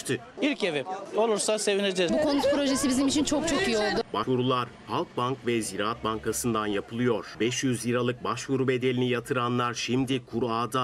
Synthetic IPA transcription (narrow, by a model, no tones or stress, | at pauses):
t̪ʰɯ | iɾce̞vio̞lˠuɾsase̞vined͡ʒɛbukʰo̞nut̪pɾo̞ʒe̞sibizimit͡ʃʰint͡ʃʰo̞k̚t͡ʃʰo̞kijio̞lˠd̪ʊbaʃvuɾulˠaɾhalˠk̚bankvɛziɾaːat̪̚baŋkʰasɯnd̪anjapʰɯlˠɯjo̞ɾ̥bɛʃjyzjiɾalˠɯk̚baʃvuɾube̞d̪e̞lʲinijat̪ʰɯɾanlˠaɾʃimd̪ikʰuɾaːd̪a